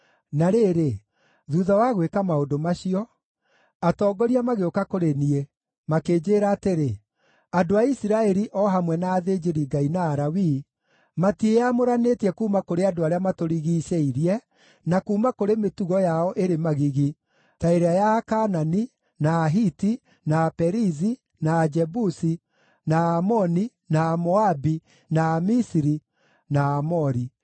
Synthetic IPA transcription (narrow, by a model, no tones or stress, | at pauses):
naɾeːɾe | ðuːðawaɣwekamaodomaɕiɔ | atɔːɡɔɾiamaɣeokakoɾenie | makeːd͡ʑeːɾaːteɾe | adoaisiɾaɛɾiʔɔɦamwɛnaːðed͡ʒeɾiɡainaːɾawi | matieamoɾanetiɛkuːmakoɾeadoaɾeamatoɾiɣiːsɛiɾiɛ | nakuːmakoɾemetuɣɔjaɔʔeɾemaɣiɣi | taeɾeajakanani | naːɦiti | napɛɾizi | naːd͡ʒɛbusi | naːmɔni | naːmɔabi | naːmisiɾi | naːmɔɾi